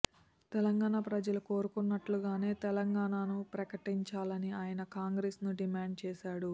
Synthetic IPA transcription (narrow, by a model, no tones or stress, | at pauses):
t̪ɛlɐŋɡaːɳapɾɐd͡ʒɐluko̞ːɾukunːɐʈluɡaːne̞ːt̪ɛlɐŋɡaːɳanupɾɐkɐʈiɲt͡ʃaːlɐniaːjɐnɐkaːŋɡɾesnuɖimaːɳɖ̚t͡ʃɛːʃaːɽu